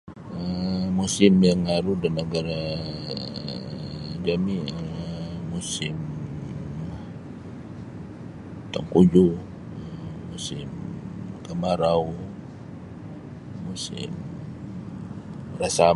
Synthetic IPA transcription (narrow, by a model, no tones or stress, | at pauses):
əmusɪmjaŋaɾudanːəɡaɾa | d͡ʒamiəmusɪm | t̪aŋkud͡ʒu | usɪmkəmaɾaw | usɪ̰m | rasa